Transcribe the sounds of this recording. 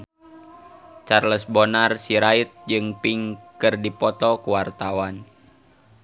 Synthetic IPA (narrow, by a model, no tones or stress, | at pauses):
t͡ʃarləsbonarsiɾait̪̚d͡ʒɨŋpiŋkɨrdipɔt̪ɔkuwart̪awan